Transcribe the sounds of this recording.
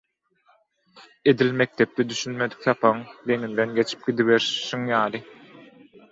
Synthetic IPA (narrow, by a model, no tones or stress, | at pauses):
e̞d̪ilme̞k̚t̪ʰe̞p̚t̪ʰɛd̪yʃynme̞d̪i̥k̚θɑpʰɑɯŋd̪e̞ŋind̪enɡʲe̞t͡ʃʰi̥p̚ɡ̥ʲid̪iβe̞ɾʃiŋjɑːlˠɯ